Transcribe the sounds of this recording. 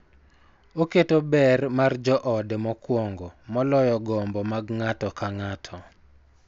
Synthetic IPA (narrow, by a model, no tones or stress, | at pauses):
oketobɛrmard͡ʒɔʔɔdemɔkwɔŋɡɔmɔlɔjɔɡɔmbɔmaɡŋatɔkaŋatʰɔ